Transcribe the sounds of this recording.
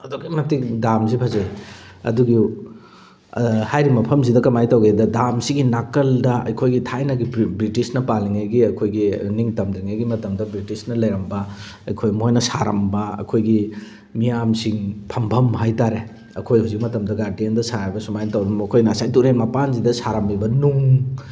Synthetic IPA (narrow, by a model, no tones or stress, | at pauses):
ɐdokːimɐtikdamzipʰɐzej | ɐ̰duɡiu | hajɾimɐpʰɐmzidɐkɐmajtɐwɡedɐdamsiɡinakːɐldɐɐ̰jkʰojɡitʰajnɐɡibɾitisnɐpaliŋajɡiɐkʰojɡiniŋtɐmdɾiŋajɡimɐtɐmdɐbɾitisnɐlɐjɾɐmbɐ | ɐjkʰojmojnɐsaɾɐ̰mbɐɐ̰kʰojɡi | mijamsiŋpʰɐmbʰʱɐmɦajtaɾe | ɐ̰kʰojhuzik̚mɐtɐmdɐɡaɾdiendɐsaɾajbɐsumajnɐtɐwɾɐmɐkʰojnasajtuɾemɐpanzidɐsaɾɐmibɐnuŋ